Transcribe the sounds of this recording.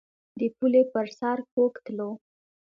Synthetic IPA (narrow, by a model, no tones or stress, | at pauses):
d̪əpulepəɾsɑɾkokt̪lo